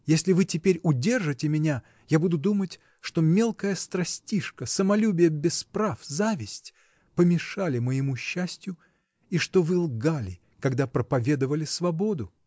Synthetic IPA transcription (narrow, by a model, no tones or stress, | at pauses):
jesʲlʲɪvɨtʲɪpʲeɾʲʊdʲe̞rʐɨtʲɪmʲɪnʲa | jabud̪ʊd̪umətʲ | ʂt̪o̞mʲe̞lˠkəjəst̪ɾɐsʲtʲiʂkəsəmɐlʲubʲɪjəbʲɪspɾafzavʲɪsʲtʲ | pəmʲɪʂalʲɪməjɪmuɕːæsʲtʲjʊ | iʂt̪ovɨlˠɡalʲɪ | kɐɡd̪apɾəpɐvʲe̞d̪əvəlʲɪsvɐbo̞d̪ʊ